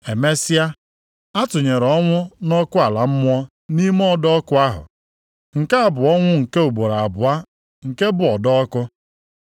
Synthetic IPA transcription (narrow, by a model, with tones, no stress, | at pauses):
e˨me˦sɪ˦a˦ | a˦tʊ˨ɲe˨ɾɔ˦ŋʷʊ˦nɔ˦kʊ˦a˨la˨m̩˦m˦ɔ˦ | ni˦m˦ɔ˦dɔ˦kʊ˦a˦ɦʊ̰˨ | ŋ̩˨ke˦a˦˨bʊ˨ɔ˦ŋʷʊ˦ŋ̩˨ke˦u˨bo˨ɾa˨a˨bʊ˨a˦ | ŋ̩˨ke˦bʊ˨ɔ˨dɔ˦ɔ˦kʊ˦